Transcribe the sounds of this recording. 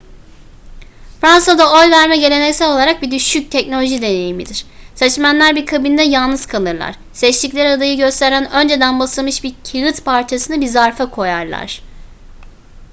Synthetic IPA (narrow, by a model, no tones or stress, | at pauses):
fɾansad̪ao̞jvæɾmɛɟe̞lʲe̞nɛcsɛlʲo̞lˠaɾak̚bid̪yʃyc̚t̪ʰɛcno̞lʲo̞ʒid̪e̞ne̞jimid̪iɾ̥sɛt͡ʃmænlʲæɾbikʰabind̪ɛjalˠnɯz̥kʰalˠɯɾlˠa̰ɾ̥ | sɛt͡ʃt̪iclʲæɾad̪ajɯɟø̞st̪ʰeɾænønd͡ʒe̞d̪ænbasɯlˠmɯʃbiɾcʰiɣɯt̪pʰaɾt͡ʃʰasɯnɯbizaɾfakʰo̞jaɾlˠa̰ɾ̥